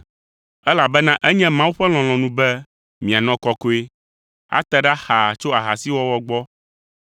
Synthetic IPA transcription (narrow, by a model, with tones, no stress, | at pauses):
ɛ˦la˨bɛ˦nã˦ʔɛ˦ɲɛ̃˦mã˦wu˦ɸɛ˦l̃ɔ̃˨l̃ɔ̃˨nũ˦bɛ˦ | mĩ˨a˨nɔ̃˦kɔ˨ko˦e˦ | a̰˦t̪ɛ˨ɖa˦xa˨t͡ʃo˦a˨ɦa˨si˦wɔ˦wɔ˦ɡ͡bɔ˦